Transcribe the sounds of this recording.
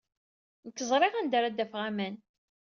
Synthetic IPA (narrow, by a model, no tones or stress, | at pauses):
nəkːəzˤɾˤeʁænd̪æɾæd̪ːæfʁæmæn